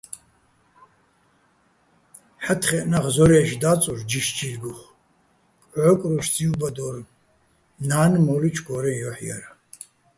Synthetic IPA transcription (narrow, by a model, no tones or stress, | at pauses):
ħat̪ʰχɛʔnaʁzɔɾɛʃd̪at͡sʼurd͡ʒiʃd͡ʒirɡuχ | kʼʕɔkʼɾuʃt͡sʼiubad̪ɔr | naːnmɔlit͡ʃʰɡɔɾɛnjɔħja̰ɾa